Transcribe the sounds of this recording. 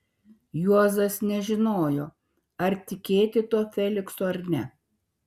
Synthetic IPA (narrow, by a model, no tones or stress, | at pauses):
juɔzɐsnʲɛʒʲɪnoːjoː | ɐɾt̪ʲɪkʲeːt̪ʲɪt̪uɔfʲɛlʲɪksoːɐɾnʲɛ